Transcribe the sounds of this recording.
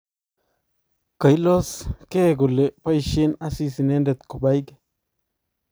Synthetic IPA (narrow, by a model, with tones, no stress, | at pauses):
ka˨jlɔ˦skɛ˦ɡʊ˨le˨pa˦jʃe˦na˦si˦si˨nɛ˦nde˨t̪kʊ˨ba˦jk